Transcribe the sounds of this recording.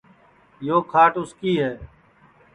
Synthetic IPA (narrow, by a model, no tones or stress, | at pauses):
joːkʰaːʈʊskiːɦɛː